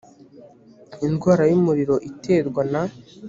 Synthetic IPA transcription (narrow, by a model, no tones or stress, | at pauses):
inɡwaːɾajumuɾiɾo̞ʔitʰe̞ːɾɡwana